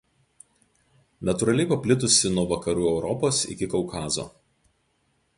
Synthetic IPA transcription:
nɐt̪ʊɾɐlʲɛɪpɐpʲlʲɪt̪̬ʊsʲɪnuɔʋɐkɐɾuːɛʊɾɔpoːsɪ̰kʲɪkɔʊkʰɑːzo̰ː

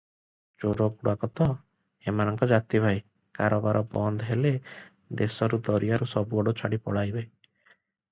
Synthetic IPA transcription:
t͡ʃoɾɔɡuɽakɔt̪ɔ | emanɔŋkɔd͡ʒat̪ibʱaj | kaɾɔbaɾʔɔbɔnd̪ʱɔɦele | d̪esɔɾud̪ɔɾijaɾusɔbuɔɽut͡ʃʰaɽipɔɽajbe

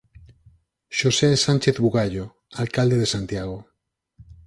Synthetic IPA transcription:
ʃosesant͡ʃeθβuɣaʎo | alkald̪eðesant̪jaɣ̞o

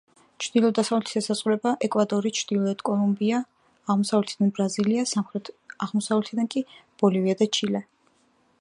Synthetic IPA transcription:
t͡ʃʰd̪̥ilˠɔd̪asavlɛt̪ʰi̥sɛsaz̥ʁuɾɛbaʔɛkʼwad̪ɔɾit͡ʃʰd̪̥ilˠɔɛt̪kʼɔlˠumbiaː | ʁmɔsavlɛt̪ʰid̪anbɾaziliasamχɾɛt̪ʰaʁmɔsavlɛt̪ʰid̪ankʼib̥ɔliviad̪at͡ʃʰilɛ

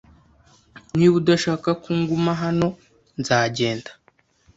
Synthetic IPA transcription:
niβudaʃaːkakuŋɡumaɦano̞ | nzaːɟe̞ːndḁ

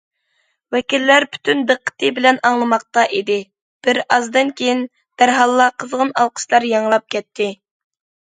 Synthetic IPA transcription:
wɛkʲilːæɾpʰy̥t̪ʰynd̪əqʰːə̥t̪ʰɨbɪlɛnɑŋlˠɨmɑq̚t̪ɑʔid̪ɪ | b̥ɪɾɑzd̪ɨnkʲʰejin | b̪̥æɾɦɑlˠːɑqʰəzʁənɑlˠqʰə̥ʃlˠɑɾjɑŋlˠɑp̚kʲɛt̪ʰːɪ

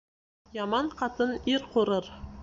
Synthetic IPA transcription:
jɑmɑɴqɑt̪ɤniɾquɾɤɾ

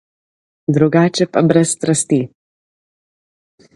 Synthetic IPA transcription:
d̪ɾuɡaːt͡ʃɛpabɾɛst̪ɾast̪i

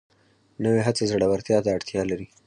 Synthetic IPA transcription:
nəweɦat͡sezaɽawaɾt̪jɑt̪aːɽt̪jɑlaɾi

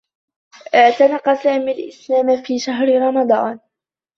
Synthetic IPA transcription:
t̪anɑqːɑsaːmalʔɪslaːmafiːʃaɦɾɪɾˤɑmɑd̪ˤɑːn

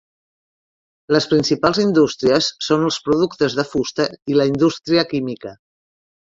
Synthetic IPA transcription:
ləspɾinsipalˠzind̪ust̪ɾiəsːonəlˠspɾuðukt̪əzðəfust̪əiləind̪ust̪ɾiəkimikə

